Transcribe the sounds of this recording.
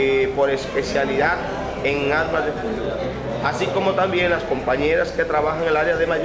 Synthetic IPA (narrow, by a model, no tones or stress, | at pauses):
po̞ɾe̞spe̞θjaliðat̪ | eŋaɾmazðe̞fut̪uɾa | asiko̞mo̞t̪ambje̞ŋlasko̞mpaɲe̞ɾaske̞t̪ɾaβaxaŋelaɾeaðemaʎ